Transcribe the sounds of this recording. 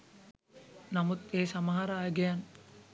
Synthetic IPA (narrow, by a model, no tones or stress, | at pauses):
namut̪eːsamaɦaɾaːjəɡejan